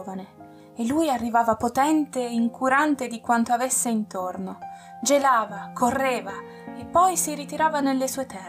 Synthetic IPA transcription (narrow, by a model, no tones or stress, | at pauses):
vane | elːujarːivaːvapot̪ɛnt̪eiŋkʰuɾant̪ed̪ikwant̪oavesːeint̪orno | d͡ʒelaːvakʰorːeːva | epːɔjsiɾit̪iɾaːvanelːesuːet̪ʰɛr